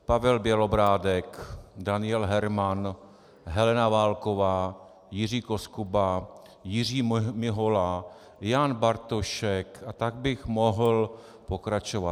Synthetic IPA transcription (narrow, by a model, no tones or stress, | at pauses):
pavɛlbjɛlobɾaːdɛkdanɪjɛlɦɛɾman | ɦɛlɛnavaːlkovaː | jɪriːkoskuba | jɪriːmɪɦola | janbaɾt̪oʃɛkat̪aɡ̚bɪxmo̞ɦl | po̞kɾat͡ʃova